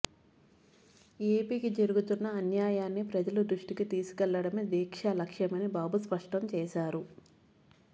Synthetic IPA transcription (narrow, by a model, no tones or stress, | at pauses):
eːpiːkid͡ʒɐɾuɡut̪unːɐːnjaːjaːnːipɾɐd͡ʒɐlud̪ɾuʂʈikit̪iːsu̥kɛlːɐɽɐmed̪iːkʂɐlɐkʂjɐmɐnibaːbuspɐʂʈɐmt͡ʃɛːʃaːɾu